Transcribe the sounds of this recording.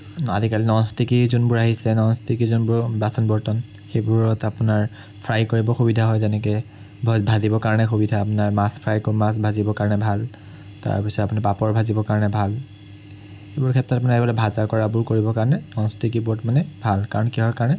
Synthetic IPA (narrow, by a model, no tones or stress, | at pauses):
a̰dʱikalinɔnstikizunbʊɹaɦisɛnɔnstikizunbʊɹbasʰɔnbɔɹtɔn | xebʊɹɔtapʊnaɹ | pʰɹajkoɹibɔxubidʱaɦɔjzɛnɛk̬ɛ | bʱɔbʱazibɔkaɹɔnɛxubidʱaːpʊnaɹmaspʰɹajkɔmas̬bʱazibɔkaɹnɛbʱal | ta̰pisɔtapʊnipapɔɹbʱazibɔkaɹɔnɛbʱal | xebʊɹkʰɛtɹɔtapʊnaɹɛbɔlabʱazaɹkɔɹabʊɹkoɹibɔkaɹɔnɛnɔnstikibuɔtmanɛbʱalkaɹɔnkiɦɔɹkaɹɔnɛ